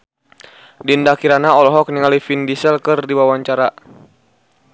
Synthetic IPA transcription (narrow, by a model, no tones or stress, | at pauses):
dindakiɾanaɔlɔɦɔk̚niŋalifindisəlkɨrdiwawaɲt͡ʃaɾa